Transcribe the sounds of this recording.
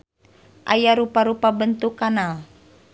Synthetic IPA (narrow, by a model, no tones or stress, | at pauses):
ʔa̰jaɾupaɾupabənt̪ukːanal